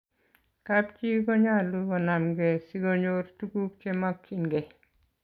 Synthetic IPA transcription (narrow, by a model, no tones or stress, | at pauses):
kapt͡ʃikɔɲaluɡɔnamɡɛsiɡoɲortukuk̚t͡ʃɛmakʰːinɡɛ